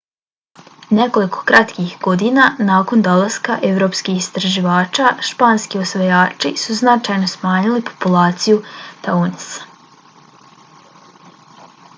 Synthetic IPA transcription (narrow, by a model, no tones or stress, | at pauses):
ne̞ko̞likʰo̞̥kɾat̪kixɡ̥o̞d̪inanaːko̞nd̪o̞lˠaskaʔe̞ʋɾo̞ːpskihist̪ɾaʒiʋaːt͡ʃaʃpaːnskiosʋojaːt͡ʃisuznat͡ʃajno̞smaːɲilipʰo̞̥pulaːt̪sijut̪aonisḁ